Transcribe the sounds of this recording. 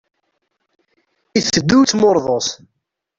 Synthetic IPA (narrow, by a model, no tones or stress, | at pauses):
iθəd̪ːut͡sːmoɾˤðˤos